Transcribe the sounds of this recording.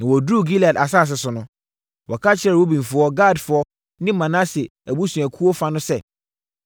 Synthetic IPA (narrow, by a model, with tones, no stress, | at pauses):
nã˨wɔ˨dɾuː˦˨ɡi˦la˨da˨saː˦˨s̬ɛ˨sʊ˨nʊ̃˦ | wɔ˨kʰa˦t͡ɕʰɪ˦ɾɛ˨wo˦bĩ˨fʊ˨ɔ˦ɡa˦˨dfʊ˨ɔ˦ | nɪ̃˦mã˨nã˦sɛ˨æ˨bu˦sũ˨æ˨kʰu˦ɔ˦fa˦nʊ̃˦sɛ˦˨